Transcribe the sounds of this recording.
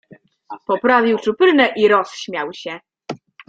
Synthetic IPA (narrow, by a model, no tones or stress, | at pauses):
pɔpɾavʲiwt͡ʂupɘɾnɛʔiɾɔsɕmʲjawɕɛ